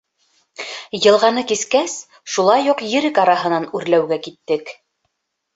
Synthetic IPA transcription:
jɤ̆lˠʁɑnɤkiskæs | ʃulˠɑjuqjɘ̆ɾɘkɑɾɑɦɤ̆nɑnʉɾlæwɡækit̪ːɘk

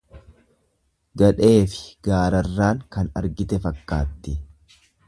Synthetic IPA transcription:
ɡɐᶑe̞ːfɪ̥ɡ̥aːɾɐrːaːŋkɐnɐ̰ɾɡɪt̪ɛfɐkːaːt̪ːɪ

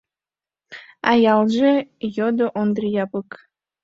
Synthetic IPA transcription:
ɑjɑlˠʒejod̪oʔond̪rʲijɑbɯk

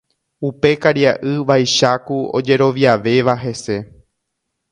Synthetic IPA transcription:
upe̞kaɾjaʔɨʋajʃakuo̞̰d͡ʒe̞ɾo̞ʋjaʋe̞ʋaɦe̞se̞

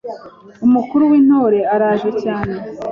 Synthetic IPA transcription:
umukuɾuwiːn̥ho̞ːɾe̞aɾaːʒecaːne

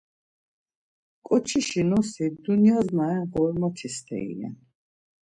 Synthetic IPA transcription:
kʼɔt͡ʃʰiʃinɔsid̪uniazmaɛʁɔɾmɔt̪ʰist̪ʰɛ̰ḭlɛ̰n

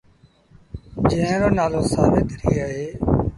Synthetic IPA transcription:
d͡ʒẽːə̃ɾoːnaːloːsa̰ːbeːt̪ɾiːaːɦeː

